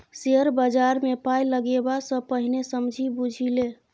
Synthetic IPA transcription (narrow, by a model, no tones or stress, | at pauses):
seəɾbəd͡ʒaɾmepajləɡebasə̃pəɦinesəmd͡ʒʱibud͡ʒʱile